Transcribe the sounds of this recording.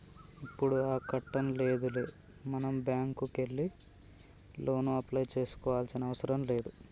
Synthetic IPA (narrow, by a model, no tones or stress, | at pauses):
ipːuɽuaːkɐʈːɐmle̞ːd̪uleː | mɐnɐmbjaːŋkuke̞lːi | lo̞ːnuɐplɐjt͡ʃe̞ːsu̥kɔːʋaːlsinɐɐʋɐsɐɾɐmle̞ːd̪u